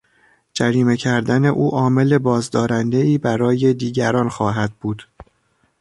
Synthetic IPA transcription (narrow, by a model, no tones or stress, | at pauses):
d͡ʒæɾiːme̞cʰæɾd̪æne̞ʔuːʔɒːme̞le̞bɒːzd̪ɒːɾænd̪e̞iːbæɾɒːje̞d̪iːɟæɾɒːnxɒːɦæd̪̥̚buːd̪̥